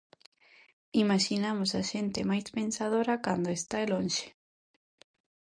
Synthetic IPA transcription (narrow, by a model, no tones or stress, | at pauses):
imaʃinamʊsaʃent̪ɪmajspẽnsað̞oɾakand̪oest̪aelõnʃe̥